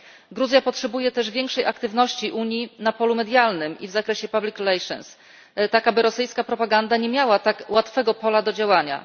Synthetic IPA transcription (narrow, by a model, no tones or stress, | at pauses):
ɡɾuzʲjapɔtʂɛbujɛt̪ɛʐvʲjɛŋkʂɛjakt̪ɘvnɔɕt͡ɕiʔuɲjinapɔlumɛd̪ʲjalnɘmḭvzakɾɛɕɛpablʲikɾɛlɛjʂɔ̰ns | t̪akabɘɾɔsɘjskapɾɔpaɡand̪aɲɛmʲjawat̪akwat̪fɛɡɔpɔlad̪ɔd͡ʑawaɲa̰